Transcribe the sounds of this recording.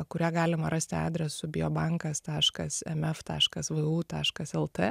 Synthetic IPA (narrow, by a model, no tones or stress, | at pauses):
kʊɾʲæːɡɑːlʲɪmɐɾɐsʲt̪ʲɪɑ̰ːd̪ʲɾʲɛsʊbʲɪoːbɑŋkɐst̪ɑːʃkɐsɛ̰mɛft̪ɑ̰ːʃkɐsʋɨuːt̪ɑːʃkɐsɛlˠt̪ɛ